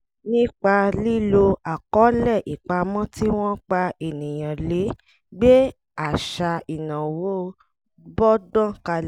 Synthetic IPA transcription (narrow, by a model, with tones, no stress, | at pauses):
nĩ˦k͡pa˧li˦lo˧a˨kɔ˨˦lɛ˦˨ʔi˨k͡pa˧mɔ̃˦ti˦w̃ɔ̃˦k͡pa˧ʔe˨nĩ˨j̃ã˨le˨˦ | ɡ͡be˦ | a˨ʃa˧i˨nã˨wo˦˧ | bɔ˦dã˦˨ka˧